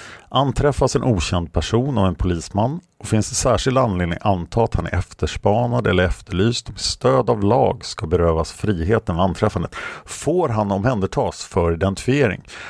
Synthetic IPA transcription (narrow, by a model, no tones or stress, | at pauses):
ʔant̪ʰɾɛfːasɛnʔuːɕɛnd̪̚pʰæʂuːnɔmɛnpʰʊliːsmanː | ɔfɪnst̪ɛsæːʂɪld̪anleːd̪nɪ̰ŋʔant̪ʰɑːat̪hanæ̰ɾʔɛft̪əʂpɑːnad̪ɛlːəɾɛft̪əɭyːst̪mɛst̪øːd̪avlɑ̰ːɡskabɛɾøːvasfɾiːɦeːt̪ənvɛant̪ʰɾɛfand̪ət̪foːɾɦanɔmhɛnd̪əʈʰɑːsfœɾɪd̪ɛnt̪ɪ̥fɪeːɾɪ̰ŋ